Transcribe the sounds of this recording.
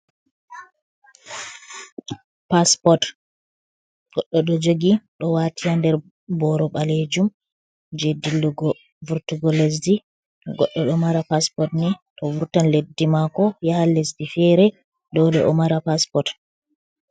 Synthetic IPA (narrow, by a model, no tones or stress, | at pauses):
paspɔt | ɡ̥ɔɗːɔɗɔd͡ʒoɡiɗɔwaːtʰijandɛɾ | bɔɾɔɓaled͡ʒum | d͡ʒedilːuɡɔ | vuɾtuɡɔles̬di | ɡɔ̰ɗːɔɗɔmaɾapaspɔtnɛɗɔvuɾtanledːimakɔjahalesdifɛɾɛ | dɔlɛʔɔmaɾapaspɔt